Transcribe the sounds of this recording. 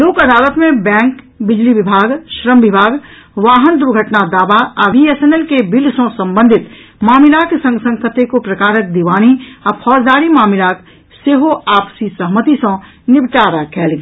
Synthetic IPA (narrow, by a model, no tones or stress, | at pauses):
loːkɐd̪aːlət̪mẽbɛ̃ːŋk | bɪd͡ʒliʋɪbʱaːɡʃɾəmʋɪbʱaːɡ | ʋaːɦənd̪ʊɾɡʱəʈnad̪aːbaabiesenelkebɪlsõsə̃mbə̃nd̪ʱɪt̪ | maːmɪlaːksə̃ŋɡsə̃ŋkʰət̪ekopɾɐkaːɾək̚d̪iʋaːñiɔpʰɔːzd̪aːɾimaːmɪlaːk | seɦoaːpsisəɦmət̪isə̃ | nɪbt͡ʃaːɾakɛːlɡe